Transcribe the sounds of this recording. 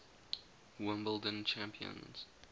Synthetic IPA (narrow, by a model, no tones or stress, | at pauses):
wɪ̃mbəldə̃nt͡ʃʰæ̃mpʰiə̰̃nz̥